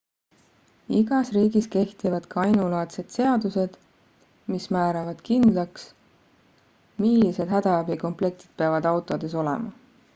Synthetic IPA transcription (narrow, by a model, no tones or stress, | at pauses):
iɡ̥ɑsriːɡ̥iske̞ht̪ivɑd̪̥kɑɑjnulɑːt̪se̞d̪̥se̞ɑd̪use̞d̪̥ | mismæːɾɑvɑd̪̥kind̪̥lɑks | milːise̞d̪̥hæd̪̥ɑæbiko̞mple̞k̚t̪id̪̥̚peɑvɑd̪ɑwt̪ˑo̞d̪̥e̞so̞lḛmɑ